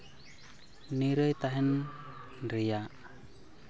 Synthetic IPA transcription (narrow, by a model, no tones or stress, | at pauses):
niɾəjt̪aɦɛn | rijaʔ